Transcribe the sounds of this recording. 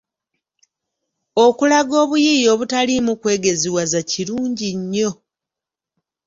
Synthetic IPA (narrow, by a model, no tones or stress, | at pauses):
o̞kulaɡo̞ːβujijo̞ːβutalimukwe̞ːɡe̞ziwazaciɾuːɲɟiɲːo̞